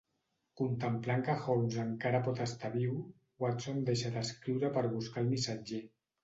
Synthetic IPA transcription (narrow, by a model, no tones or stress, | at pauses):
kunt̪əmplaŋkaxozəŋkaɾapɔt̪əst̪aβiw | wat̪somd̪eʃad̪əskɾiwɾapəɾβuskalˠmisad͡ʒe